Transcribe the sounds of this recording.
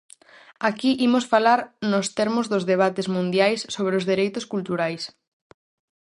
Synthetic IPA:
akiʔimʊsfalaɾnʊst̪ɛɾmʊzðʊzðeβ̞at̪ezmũnd̪jajsːoβ̞ɾeozðiɾejt̪ʊskult̪uɾajs

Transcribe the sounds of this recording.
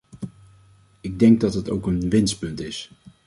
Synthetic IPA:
ɪɡ̚dɛŋɡ̚dɑtɦəto̰wkənʋɪnst̚pɵntɪs

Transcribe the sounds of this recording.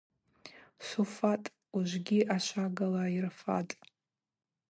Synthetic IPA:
sufatʼ | uʒʷɡʲiʔaʃʷaɡalairfa̰tʼ

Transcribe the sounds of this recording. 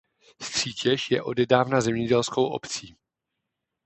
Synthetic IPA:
st̪r̝̥iːcɛʃjɛʔo̞dɛdaːvnazɛmɲɛɟɛlsko̞wʔo̞̰pt͡siː

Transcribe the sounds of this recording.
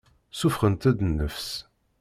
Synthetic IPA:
sufχənt̪æd̪nːəfs

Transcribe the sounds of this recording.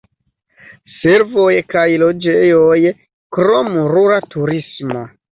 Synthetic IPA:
se̞ɾvo̞jkajlo̞d͡ʒejo̞j | kɾo̞muɾuɾatuɾismo

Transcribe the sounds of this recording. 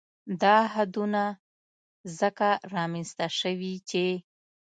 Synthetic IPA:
d̪ɑɦad̪una | zəkaɾɑmenst̪aʃəwit͡ʃe

